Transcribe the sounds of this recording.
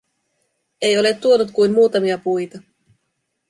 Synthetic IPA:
e̞jo̞le̞t̪ːuo̞nut̪kujnmuːt̪ɑmiɑpujt̪ɑ

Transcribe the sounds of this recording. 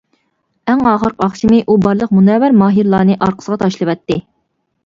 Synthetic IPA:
æŋɑːʁəɾqɑχʃimɪʔubɑɾlˠəqmunɛwæɾmɑːɦiɾlˠɑːnɨʔɑɾqʰə̥səʁɑt̪ʰɑʃlˠɨwɛt̪ːɪ

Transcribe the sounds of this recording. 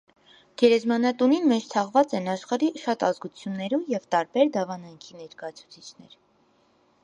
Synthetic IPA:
ɡ̥ɛɾɛzmɑnɑt̪uninmɛt͡ʃʰt̪ʰɑʁvɑt͡sɛnɑʃχɑɾiʃɑt̪ɑzɡut͡sʰjunːɛɾujɛvt̪ɑɾbɛɾd̪ɑvɑnɑŋkʰinɛɾkɑjɑt͡sʰu̥t͡sʰit͡ʃʰnɛ̰ɾ

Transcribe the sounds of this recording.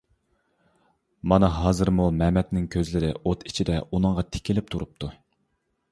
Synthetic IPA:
mɑnɨɦɑːzɨɾmulˠmɛmɛt̪nɪŋkʲʰøzlɪɾɪ̰ʔot̪i̥t͡ʃʰid̪ɛʔunɨŋʁɑt̪ʰɪ̥kʲɪlɪp̚t̪ʰuɾup̚t̪ʰu

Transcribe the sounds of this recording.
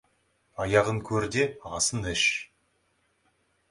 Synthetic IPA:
ɑjɑʁəŋkʲʰɵɾd̪e̞ɑsənɪʃ

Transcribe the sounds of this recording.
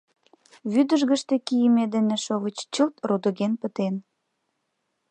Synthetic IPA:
βyd̪əʒɣə̆ʃt̪ĕkijəmed̪enĕʃoβət͡ɕt͡ɕot̪rud̪ə̆ɣenpət̪en

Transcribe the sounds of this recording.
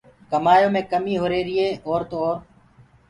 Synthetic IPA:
kəmaːjõːmẽːkəmiːɦoːɾeːɾɪeːoːɾt̪oːoːɾ

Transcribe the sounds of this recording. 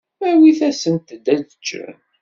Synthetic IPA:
æwiθæsənt̪əd̪ːæd̪ət͡ʃːɾə̰n

